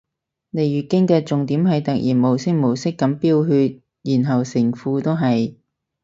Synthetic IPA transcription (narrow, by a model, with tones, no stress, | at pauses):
ne˨˧jyː˨˩kɪ˥ŋkɛː˧t͡sʊ˨ŋt̪iː˨˥mɦɐ˨jt̪ɐ˨k̚jiː˨˩nmo˨˩wsɪ˥k̚mo˨˩wsɪ˥kːɐ˨˥mpiː˥wɦyː˧t̚ | jiː˨˩nɦɐ˨wsɪ˨˩ŋfuː˨˧t̪o˥wɦɐ˨j